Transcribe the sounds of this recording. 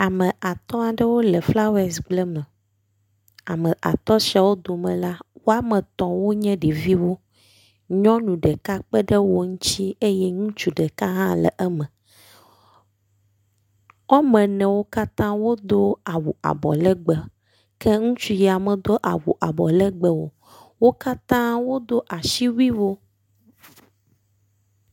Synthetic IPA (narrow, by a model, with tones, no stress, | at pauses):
a˨mə̃˨a˨t̪ɔ̃˦a˨ɖɛ˦wo˦lɛ˨fla˦wɛ˦sɡ͡blɛ˦mɛ̃˨ | a˨mə̃˨ʔa̰˨t̪ɔ˦ʃi˨˦a˨wo˦d̪o˨mɛ̃˨la˦wo˦a˦mɛ̃˨t̪ɔ̃˨wo˦ɲɛ̃˦ɖi˨vi˦wo˦ | ɲɔ̃˦nũ˨ɖɛ˨ka˦k͡pə˦ɖɛ˦wo˦ŋũ˦t͡ɕi˦e˦jɛ˦ŋũ˦t͡ʃu˨ɖɛ˨ka˦ɦã˦lɛ̰˨ʔɛ˦mɛ̃˨ | ɔ˦mɛ̃˨nɛ̃˨wo˦ka˦t̪ã˦wo˦d̪o˦a˨wu˨ʔa̰˨bɔ̰˨lɛ˦ɡ͡bɛ˦ | kʰɛ˦ŋũ˦t͡ʃu˦ji˨a˨mɛ̃˨d̪o˦ʔa̰˨wu˨ʔa˨bɔ˨lɛ˦ɡ͡bɛ˦wo̰˨ | wo˦ka˦t̪ã˦wo˦d̪o˦ʔa˨ʃi˦wi˦wo˦